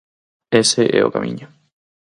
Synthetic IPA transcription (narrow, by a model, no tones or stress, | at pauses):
eseʔḛo̞̰ka̰mʔḭ̃ɲo